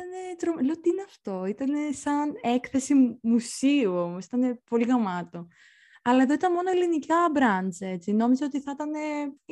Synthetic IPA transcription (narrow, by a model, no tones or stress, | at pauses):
it̪ɐne̞t̪ɾomleot̪iineɐft̪o̞it̪ɐne̞sɐne̞kθe̞simusiuo̞mosi̥t̪ɐne̞po̞liɣɐmɐt̪o̞ | ɐlɐe̞ðo̞it̪ɐnmo̞noelinicɐbɾɐnt͡se̞t͡sino̞mizeo̞t̪iθɐt̪ɐne̞